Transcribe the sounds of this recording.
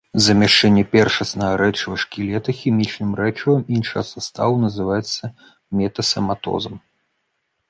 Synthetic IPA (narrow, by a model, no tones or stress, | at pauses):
zɐmʲaʂt͡ʂɛnʲːɛpʲɛrʂɐsnɐɣɐɾɛt͡ʂɨvɐʂkʲilʲɛt̪ɐxʲimʲit͡ʂnɨmrɛt͡ʂɐvɐminʂɐjɐsast̪a̰vunɐzɨvajɛt̪sːɐ | mʲɛt̪ɐsɐmat̪ɔ̰zɐm